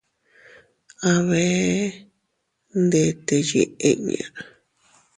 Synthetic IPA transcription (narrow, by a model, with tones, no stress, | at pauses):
a˧βe˧ | nd̪e˧t̪e˧jḛ˧ʔe˦˧ʔβḭ˨a˨